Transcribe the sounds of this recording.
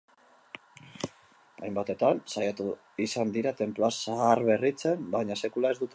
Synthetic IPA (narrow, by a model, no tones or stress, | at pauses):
ajmbat̪e̞t̪ansajat̪u | isand̪iɾat̪e̞mplo̞asaarβe̞rit͡se̞mbaɲase̞kulae̞zd̪ut̪